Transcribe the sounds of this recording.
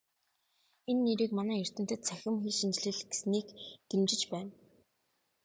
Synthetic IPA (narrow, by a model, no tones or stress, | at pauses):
enːeɾiːkmanæːjir̥t̪ɘ̆n̥t̪ɘ̆t̪̚t͡sʰæxʲɪ̆mxiːʃint͡ɕ̆ɮɘ̆ɮɡ̥e̥sniːkɡ̪̥emt͡ɕɪ̆t͡ɕpæːn